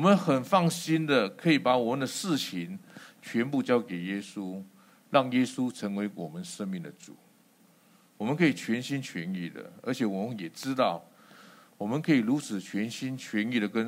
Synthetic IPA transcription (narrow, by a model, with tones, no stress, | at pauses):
wɔ˨mə˦nxə˨˩nfɑ˥˩ŋɕi˥nd̪ə˨kʰɤ˧˥i˨˩pa˧˥wɔ˨˩mə˦nd̪ə˧ʂɻ̩˥˩t͡ɕʰi˧˥nt͡ɕʰɥɛ˧˥npu˥˧t͡ɕjɑ˥ʊke˨˩ɪjɛ˥su˦ | ɻɑ˥˩ŋjɛ˥su˦˥ʈ͡ʂʰə˧˥ŋwe˧˥ɪwɔ˨˩mə˦nʂə˥ŋmi˥˩ŋd̪ə˨t͡sṵ˨˩˦ | wɔ˨mə˦nkʰɤ˧˥i˨˩t͡ɕʰɥɛ˧˥nɕi˥nt͡ɕʰɥɛ˧˥nḭ˥˩d̪ə̰˩ə̰˞˧˥t͡ɕʰjɛ˨˩wɔ˨˩mə˦njɛ˨˩ʈ͡ʂɻ̩˥t̪ɑ˥˩ʊ | wɔ˨˩mə˦nkʰɤ˧˥i˨˩lu˧˥t͡sʰɹ̩˨˩t͡ɕʰɥɛ˧˥nɕi˥nt͡ɕʰɥɛ˧˥ni˥˩ɾə˩kə˥˦n